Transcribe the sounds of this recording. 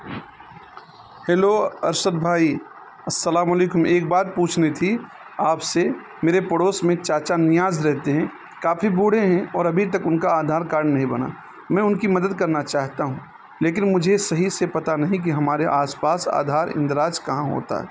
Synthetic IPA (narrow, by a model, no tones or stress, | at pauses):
heːloɐ̰ɾʃət̪̚bʱaːi | ɐsːɐlaːmɐleːkʊmʔeːk̚baːt̪̚puːt͡ʃʰnet̪ʰi | aːpse | meːɾepəɽoːsmẽt͡ʃaːt͡ʃanɪjaːzɾɛɦt̪eɦɛ̃ | kaːfʰibuːɽ̤eɦɛ̃ɔːɾɐbʱit̪ɐkʊnkaaːd̪ʱaːɾkaːɾɳnɐɦĩbɐna̰ | mɛ̃ːʊnkimɐd̪əd̪̚kɐɾnat͡ʃaːɦt̪aɦũː | leːk̬ɪnmʊd͡ʒʱesɐɦisepɐt̪anɐɦĩk̬iɦɐmaːɾeʔaːspaːsa̰ːd̪ʱaːɾɪ̰̃nd̪ɾaːd͡ʒkɐɦãɦo̰ːt̪a̰ɦɛ̰ː